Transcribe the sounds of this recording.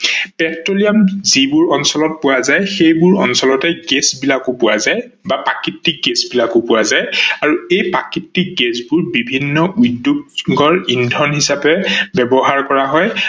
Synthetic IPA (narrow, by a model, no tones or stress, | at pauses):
pɛtɹolijamzibʊɹɔnsɔlɔt̚pʊwazajxejbʊɹɔnsɔlɔtɛɡɛsbilakʊpʊwazaj | bapakitːik̚ɡesbilakʊpʊwazajaɹuejpakitːik̚ɡɛsbʊɹbibʱinːɔujdːukɡɔɹindʱɔnɦisapɛbɛbɔɦaɹkɔɹaɦɔj